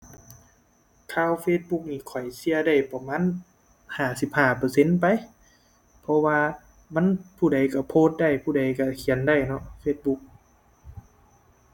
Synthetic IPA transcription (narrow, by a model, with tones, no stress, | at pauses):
kʰaː˧˨wfeː˧t̪̚bu˧˦k̚niː˧˩kʰɔ˨˩jsi˧ɐda˧˩jpa˧maː˧˥˨n | haː˧˩si˧˦p̚haː˧˩pɤː˧˩se˧˥˨npa˧˨˦j | pʰɔ˧waː˧ | ma˧˥˨npʰuː˧˩da˨jka˧˩pʰoː˧˨t̪̚da˧˩jpʰuː˧˩da˨˩jka˧˩kʰi˨˦ənda˧˩˨jnɔ˧ʔfeː˧t̪̚bu˧˦k̚